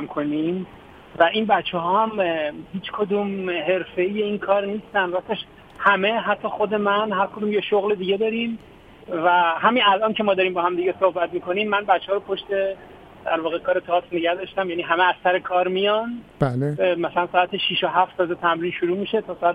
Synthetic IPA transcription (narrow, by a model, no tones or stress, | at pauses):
mkʰonim | væʔinbæt͡ʃʰːeɦɒːhæmhiːt͡ʃʰkʰod̪uːmhe̞ɾfe̞jeinkʰɒːɾniːst̪ænd̪ɾæt̪eʃ | hæme̞ɦæt̪ʰːɒːxo̞d̪e̞mænɦæɾkʰod̪uːmjeʃoɣled̪iːɟed̪ɒːɾim | væɦæminælʔɒːncʰe̞mɒːd̪ɒːɾiːmbɒːhæmd̪iɟesohbæt̪miko̞niːmːænbæt͡ʃʰːeɒːɾopʰo̞ʃt̪e̞ | d̪̥æɾvɒːɣekʰɒːɾet̪ʰɒsneɡæhd̪ɒʃt̪æmjæːniːɦæmeæzsæɾekʰɒːɾmijɒnbaːlemæsælænsɒːæt̪ʰeʃiʃoɦæft̪sɒːzet̪ʰæmɾiːnʃuɾuːmiʃe̞t̪ʰɒːsɒæt̪